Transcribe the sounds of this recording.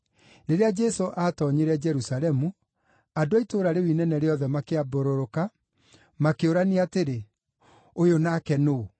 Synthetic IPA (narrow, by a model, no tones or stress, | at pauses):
neɾead͡ʒɛsoʔatɔɲeɾɛd͡ʒɛɾusalɛmu | adoaitoːɾaɾewinɛnɛɾeɔðɛmakeaboɾoɾoka | makeoɾaneateɾe | ojonakɛno